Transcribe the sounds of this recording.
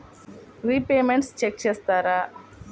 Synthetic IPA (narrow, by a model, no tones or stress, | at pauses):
ɾipeːmeɳʈst͡ʃek̚t͡ʃeːst̪aːɾaː